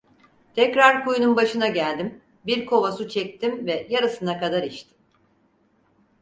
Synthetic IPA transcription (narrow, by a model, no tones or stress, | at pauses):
t̪ʰɛcɾaɾkujununbaʃɯnaɟælʲd̪im | biɾkʰo̞vasut͡ʃʰɛc̚t̪ʰimvɛjaɾɯsɯnakad̪aɾiʃt̪ʰim